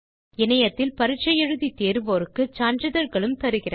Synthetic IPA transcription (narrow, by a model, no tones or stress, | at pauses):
ɪnɐjɐt̪ːɪlpɐɾɯt͡ʃːɐjɛɻɯðit̪eːɾɯʋoːɾɯkːɯt͡ʃaːnd͡ʒɯðɐɾɣɐɭɯmt̪ɐɾɯɣɪrɐ